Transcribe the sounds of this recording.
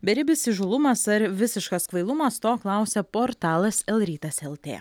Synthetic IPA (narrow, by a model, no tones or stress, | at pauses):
bʲɛɾʲɪbʲɪsɪʒʊlˠʊmɐsɐɾʋʲɪsʲɪʃkɐskʋɐɪlˠʊmɐst̪oːklˠɑˑʊsʲɛpoːɾt̪ɑːlˠɐsɛlˠɾʲiːt̪ɐsɛlˠt̪ʲḛː